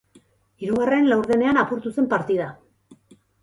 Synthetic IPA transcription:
iɾuɣare̞nlawɾðe̞ne̞anapuɾt̪use̞mpaɾt̪iða

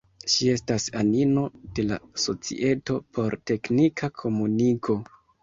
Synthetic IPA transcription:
ʃie̞stasanino̞d̥e̞la̰so̞t͡sḭʔe̞to̞pʰo̞ɾte̞knikʰakʰo̞muniɡo̞

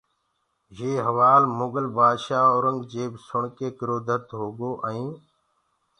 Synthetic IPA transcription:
jeːɦəʋaːlmʊɡəlbaːd̪ʃaːoɾəŋɡd͡ʒeːbsʊɳkeːkɪɾoːd̪ʱət̪ɦoːɡoːʔəĩː

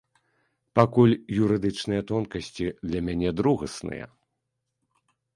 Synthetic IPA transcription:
pakulʲjuɾɨd̪ɨt͡ʂnɨjɐt̪ɔnkɐsʲt͡sʲid̪lʲɐmʲanʲɛd̪ɾuɣɐsnɨ̰jɐ̰

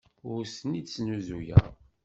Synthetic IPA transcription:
ʊɾsənisnuzujæ̰

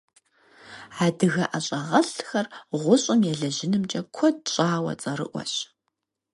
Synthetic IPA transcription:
aːdɨɣɐʔaɕʼɐʁɐɬxɐrʁʷʊɕʼɪmjɛɮɐʑɪnɨmt͡ʃʼɐkʷʰɔd̚ɕʼaːwɐ̰t͡sʼɐɾɨ̰ʔʷɔ̰ɕ

